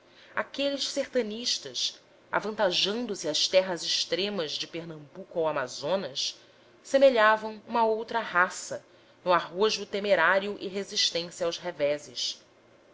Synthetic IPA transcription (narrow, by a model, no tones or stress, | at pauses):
akelɪʃseχt̪ɐ̃niʃt̪ɐʃ | a̰vɐ̃nt̪aʒɐ̃nd̪ʊsiɐʃt̪ɛɦɐzɪʃt̪ɾẽmɐzd͡ʒɪpeɾnɐ̃mbukuawamazõnɐs | semeʎavɐ̃w̃ũmɐowt̪ɾɐɦasɐ | nʊaɦoʒʊt̪emeɾaɾjuʔɪɦeziʃt̪ẽsjɐawzɦevɛzɪʃ